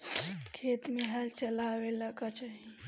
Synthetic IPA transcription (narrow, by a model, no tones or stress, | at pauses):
kʰet̪meɦɛlt͡ʃəlaweləɡat͡ʃaɦi